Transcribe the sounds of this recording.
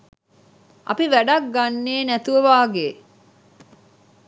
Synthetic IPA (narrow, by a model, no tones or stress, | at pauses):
ʔɐ̰piʋæɖɐk̚ɡanːeːnæt̪uʋəʋaːɡeː